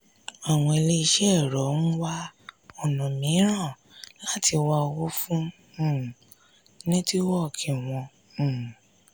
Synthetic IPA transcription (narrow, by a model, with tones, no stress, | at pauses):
a˨w̃ɔ̃˧e˧le˦i˧ʃe˦˨ɾɔ˨˦ñ̩˦wa˦ɔ˨nũ˨mĩ˨˦ɾ̃ã˦˨ | la˦tʰi˧wa˧wo˦fũ˦˨ | nĩ˦ti˦wɔ˦˨kʰɛ˨w̃ɔ̃˧˨